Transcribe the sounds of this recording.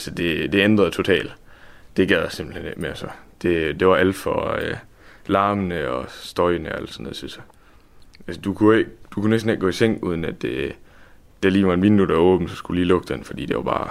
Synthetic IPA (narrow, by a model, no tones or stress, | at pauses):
ælsɒd̥e̝d̥e̝end̥ʁɐð̩ˠt͡sʰo̝t͡sʰɛ̰ːld̥d̥e̝ɡ̥æð̰ˠjæse̝mb̥l̩hene̝ɡ̥meɐsɒd̥e̝d̥e̝ʋɑ̈ʔæl̰d̥fɒ̽ø | lɑ̈ːmənəɒ̽sd̥ɒɪnəɒæl̰d̥sɒnːoð̩ˠsisɒ | ʔælsəd̥ukʰue̝ɡ̥d̥ukʰunesd̥n̩eɡ̥̚ɡ̥ɔ̰ːiseŋ̰uð̞ˠn̩æd̥e | d̥æliːʋɑ̈e̝nʋind̥ud̥æɔ̽ːb̥n̩sɒ̽sɡ̥ud̥uliːlɔ̽ɡ̥̚d̥ə̥enfɒd̥ḭːd̥e̝ʋɑ̈b̥ɑ̈ː